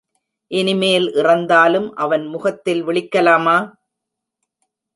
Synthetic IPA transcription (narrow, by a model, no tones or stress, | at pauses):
ʔɛnɪmeːɪlʔɪrɐnd̪aːlɯmʔɐʋɐnmʊɣɐt̪ːɪlʋɪɭɪkːɐlaːmaː